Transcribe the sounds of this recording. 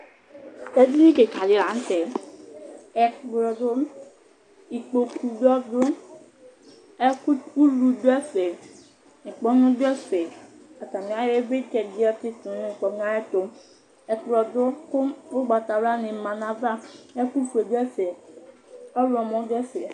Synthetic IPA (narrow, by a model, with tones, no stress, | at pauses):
e˦di˦nĩ˦ke˨ka˨li˨˦ɾa˨n̩˦tɛ˨ | ɛ˨ɡ͡bɾɔ˨dʊ˦ | i˨k͡po˨ku˨dɔ˦dʊ˦ | ɛ˦ku˦u˦lu˨do˦ɛ˦fɛ˨ | ni˨k͡pɔ˦nũ˦dɛ˦fɛ˨ | a˨ta˨m˨˦a˦ɾe˦vbe˦t͡ʃɛ˨di˦ɛ˦tɪ˦tu˨n˦˨k͡pɔ˨ŋa˦ɛ˦to˨m | ɛ˨kɾɔ˨dʊ˦kʊ˦mo˦ɡ͡ba˨ta˨˦ɾa˦ni˨mã˨na˨va˦ɛ˦ku˦fu˨e˨du˦ɛ˦fɛ˨ | ɔ˦lɔ˨mɔ̃˨˦dɛ˦fɛ˨